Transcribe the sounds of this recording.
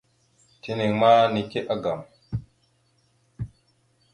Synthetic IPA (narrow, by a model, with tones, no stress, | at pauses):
tʰi˦ni˨ŋma˦ni˨ke˦ʔa˦ɡa˨m